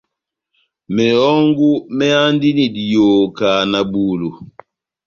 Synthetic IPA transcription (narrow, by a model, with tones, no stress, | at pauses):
mɛ˨ɔ˦ŋɡu˦mɛ˦a˦ndi˦ni˨di˨jo˨ka˨na˨buː˨lu˨